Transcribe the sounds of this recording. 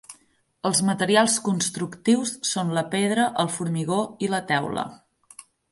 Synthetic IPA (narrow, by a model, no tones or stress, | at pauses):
əlˠzmət̪əɾialˠskunst̪ɾukt̪iwsːonləpeð̞ɾəʔəlˠfuɾmiɣoilət̪ɛwlə̰